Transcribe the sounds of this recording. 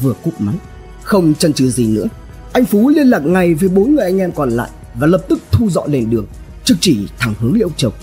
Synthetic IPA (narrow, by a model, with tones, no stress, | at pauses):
vɨ˨˩əku˦˥k͡p̚ma˨˦n | xə˧wŋ͡mt͡ɕə˧nt͡ɕɨ˨˩˦zi˨˩nɨ̰˧˥ə | ʔa˧jŋ̟fu˨˦li˧ənlaː˨˩k̚ŋa˨˩jveː˨˩jɓo˨˦nŋɨ˨˩əjʔa˧jŋ̟ʔɛ˧mkɔ˨˩nla̰ː˧˨j | vaː˨˩ləː˨˩p̚t̪ɨ˦˥k̚t̪ʰu˧zɔ̰˧˨le˨˩nɗɨ˨˩əŋ | t͡ɕɨ˨˩k̚t͡ɕi˧˩t̪ʰa˨˧˩ŋhɨ˨˦əŋlḭ˧˥w̚t͡ɕə˨˩w